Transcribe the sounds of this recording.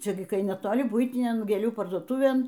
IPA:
ˈt͡ʃʲɛ ɡʲɪ kɐɪ nʲɛˈtoːlʲɪ ˈbʊɪtʲɪnʲɛn ɡʲeːˈlʲuː pɐrduɔˈtʊʋʲeːn

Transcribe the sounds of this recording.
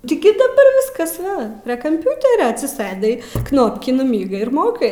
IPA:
tʲɪ ˈɡʲɪ dɐˈbɐr ˈʋʲɪskɐs ˈʋɐ pʲrʲiɛ kɐmʲˈpʲʊtʲɛrʲoː ɐtʲsʲɪˈsɘdɐɪ ˈknoːpʲkʲiː nʊˈmʲiːɡɐɪ ɪr ˈmoːkɐɪ

